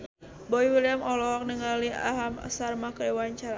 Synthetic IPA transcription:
bɔiwiliamɔlɔɦɔk̚nəŋalia̰ɦama̰sarmakəiwaɲt͡ʃaɾa

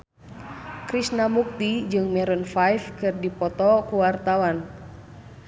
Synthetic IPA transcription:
kɾisnamuk̚t̪id͡ʒɨŋmɛɾɔnfajfkɨrdipɔt̪ɔkuwart̪awan

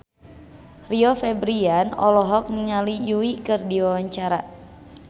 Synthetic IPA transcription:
riɔfɛbɾianɔ̰lɔɦɔk̚niŋalijuikɨrdiwawaɲt͡ʃaɾa

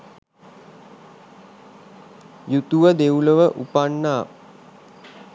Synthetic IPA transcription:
jut̪uʋəd̪euləʋəʔupanːaː

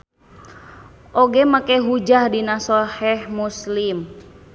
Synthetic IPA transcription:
ʔoɡɛmakɛɦud͡ʒahdinasɔhɛhmuslim

